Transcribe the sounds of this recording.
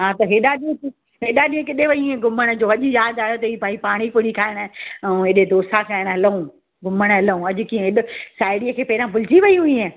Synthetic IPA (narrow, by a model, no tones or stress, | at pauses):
ɦãːt̪ɐɦeːɗaɗĩ | ɦeːɗaɗiːẽkɪɗeʋɐiẽɡʊməɽ̃d͡ʑoːɐʄʊjaːd̪aːɦot̪ɐiːpaːipaːɽ̃ikʊɽikʰaːɪɽ̃ɛ̃eːɗed̪oːsakʰaːɪɽ̃ɦɐləũ | ɡʊməɽ̃ɦɐləũɐʄʊ̆kiːẽɦɪɗsaːɪɽijəkʰeːpɐɦɪɾãpʊlɪt͡ʃiʋɐiɦʊĩẽ